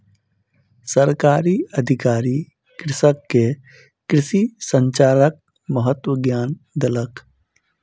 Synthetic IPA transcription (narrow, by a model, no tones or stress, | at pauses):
səɾkaːɾiəd̪ʱɪkaːɾi | kɾɪsəkːe | kɾɪʃisə̃ɲt͡ʃaːɾək̚ | məɦət̪wəɡjaːnd̪elək